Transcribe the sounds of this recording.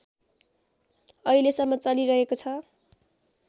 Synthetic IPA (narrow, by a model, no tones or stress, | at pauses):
ʌilesʌmːʌt͡sʌliɾʌɦekot͡sʰʌ